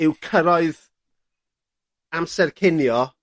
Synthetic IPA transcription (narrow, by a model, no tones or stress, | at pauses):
ɪwkʰəɾɔɨð | amsɛrkʰɪnjɔ